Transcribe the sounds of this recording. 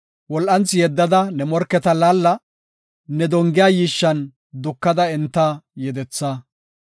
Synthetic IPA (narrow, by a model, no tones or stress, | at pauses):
wɔlʔɐnt͡sːɪjɛd̪ːɐd̪ɐnɛmɔɾkːɛt̪ɐlaːlːɐ | nɛd̪ɔŋɡɪjaːjiːʃːɐn | d̪ʊkːɐd̪ɐɛnt̪ːɐjɛd̪ɛt͡sːɐ